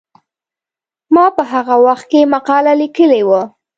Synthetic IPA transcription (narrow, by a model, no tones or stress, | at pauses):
mɑpəɦaɣawaxt̪̚kemaqɑlalikəlewə